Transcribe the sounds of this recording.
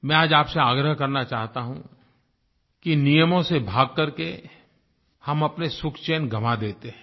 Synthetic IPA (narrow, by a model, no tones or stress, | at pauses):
mɛ̃ːaːd͡ʒaːpseaːɡɾəɦkɐɾnat͡ʃaːɦt̪aɦũ | kinijəmõsebʱaːɡ̚kɐɾke | hɐmɐpnesʊkʰt͡ʃeːnɡʱɐmad̪eːt̪eɦɛ̃